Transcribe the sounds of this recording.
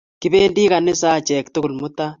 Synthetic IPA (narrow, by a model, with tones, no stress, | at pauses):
ki˦βeː˦ndi˦ɣa˨ne˦sa˦t͡ʃɛ˨ktu˦ku˨lmu˦ta˦